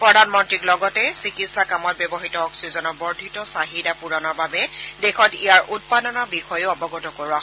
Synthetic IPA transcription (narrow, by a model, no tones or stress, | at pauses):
pɹɔdʱanmɔntɹiklɔɡɔtɛsikitsakamɔt̚bjɔbɔɦitɔːksizɔnɔɹbɔɹdʱitɔsaɦidapuɹɔnɔɹbabɛdexʰɔtijaɹʔut̚padɔnɔbixɔjʊɔbɔɡɔtɔkoɹua